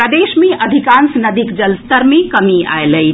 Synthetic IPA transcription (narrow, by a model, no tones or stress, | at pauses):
ɾəd̪eʃmeʔəd̪ʱikansnɐd̪ikd͡ʒəlst̪əɾmẽkəmia̰eləj